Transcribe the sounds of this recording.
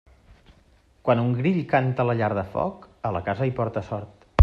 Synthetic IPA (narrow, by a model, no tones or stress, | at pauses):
kwanuŋɡɾiʎkant̪ələʎaɾðəfɔ̰kələkazəipɔɾt̪əsɔɾt̪